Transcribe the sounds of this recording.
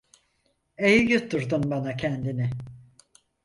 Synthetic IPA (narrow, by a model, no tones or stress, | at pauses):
ejjut̪ːuɾd̪unbanacʰɛnd̪inɪ